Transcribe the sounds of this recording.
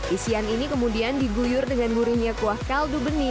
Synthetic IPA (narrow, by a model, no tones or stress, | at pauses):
ʔisianinikəmudiandiɡujʊrdəŋanbuɾiŋɲakuahkaldubəni